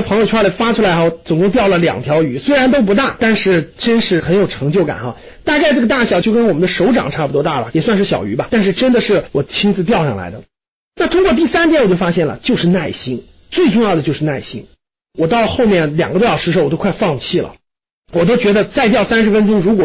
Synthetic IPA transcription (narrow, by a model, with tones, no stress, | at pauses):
pʰɤ˧˥ŋjo˧˩t͡ɕʰwa˥lə˧˩fa˥ʈ͡ʂʰu˥la˧˥ɪxɑ˥˩t͡sɤ˨˩ŋkʊ˥ŋt̪jɑ˥˩ʊlə˩ljɑ̰˨˩ŋt̪ʰjɑ˧˥ʊy˧˥swe˥ɪɻa˧˥nt̪o˥ʊp̬u˧˥t̪a˥˩t̪a˥˧nʂɻ̩˥˩ʈ͡ʂə˥nʂɻ̩˥˩xə˧˥njo˨˩ʊʈ͡ʂʰɤ˧˥ŋt͡ɕjo˥˩ʊka̰˨˩nxa˧ | t̪a˥˧ka˥˧ɪʈ͡ʂɤ˥˩ɡə˧t̪a˥˩ɕjɑ˨˩t͡ɕjo˥˧ʊkə˥nwɔ˨˩mə˦nd̪ə˧ʂo˧˥ʊʈ͡ʂɑ̰˨˩ŋʈ͡ʂʰa˥˩pu˩t̪wɔ˥t̪a˥˩bɐ˩jɛ˨˩swa˥˧nʂɻ̩˥˩ɕjɑ̰˨˩ʊy˧˥bɐ˧t̪a˥˧nʂ̬ɻ̩˥˧ʈ͡ʂə˥nd̪ə˨ʂɻ̩˥˩wɔ˨˩t͡ɕʰi˥nd͡zɹ̩˧t̪jɑ˥˧ʊʂɑ̰˥˩ŋla̰˧˥ɪd̪ə˧ | na˥˩t̪ʰʊ˥ŋkwɔ˥˧t̪̬i˥˩sa˥nt̪̬ʰjɛ˥nwt͡ɕjo˥˩ʊfa˥ɕjɛ˥˩nlə̰˩t͡ɕjo˥˧ʊʂɻ̩˥˧na˥˩ɪɕi˥n | t͡swe˥˧ɪʈ͡ʂʊ˥˧ŋjɑ˥˩ʊd̪ə˩t͡ɕo˥˧ʊʂɻ̩˥˧na˥˩ɪ˩ɕḭ˥n | wɔ˨˩t̪ɑ˥˧ʊxo˥˧ʊmjɛ˥˩nljɑ̰˨˩ŋɡə˥t̪jɑ˥˩ʂɻ̩˥ʂo˧˥˩wt̪o˥kʰɪfɑ˥˧ŋt͡ɕʰi˥˩lə̰˩ | wɔ˨˩t̪̬o˥ʊt͡ɕɥɛ˧˥d̪ə˧t͡sa˥˧ɪt̪̬jɑ˥˩ʊsa˥nʂ̬ɻ̩˧˥fə˥nʈ͡ʂʊ˥ŋɻu˧˥kwɔ˨˩